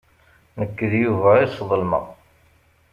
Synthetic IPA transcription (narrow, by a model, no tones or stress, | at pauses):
nəkːəðjuvæisˤðˤəlmɑ̰